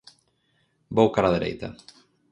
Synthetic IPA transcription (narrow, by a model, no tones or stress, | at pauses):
bowkaɾaðeɾḛjt̪ɐ̰